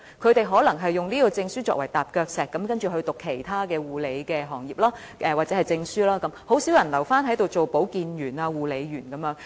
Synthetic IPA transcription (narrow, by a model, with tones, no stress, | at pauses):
kʰɵ˨˧t̪e˨jɦɔː˨˥lɐ˨˩ŋɦɐ˨jːʊ˨ŋniː˥kɔː˧t͡sɪ˧ŋsyː˥t͡ʃɔ̰ː˧k̚wɐ˨˩jt̪aː˨p̚kœː˧k̚sɛː˨kːɐ˨˥mkɐ˥nt͡ʃy˨ɦɵ˧ɥt̪ʊ˨kʰːe˨˩jt̪ʰaː˥kɛː˧wuː˨˩le˨˧jkɛː˧ɦɔː˨˩ŋjiː˨p̚laː˥ | ʔɛ˨waː˨t̚t͡sɛː˨˥ɐ˨jt͡sɪ˧ŋsyː˥laː˥kɐ˨˥mho˨˥wsi˨˥wjɐ˨˩nlɐ˨˩wfaː˥nɦɐ˨˥jt̪o˨wt͡so˨wpo˨˥wkiː˨njyː˨˩naː˧wuː˨˩le˨˧jɥyː˨˩nkɐ˨˦mjœː˨˥ŋ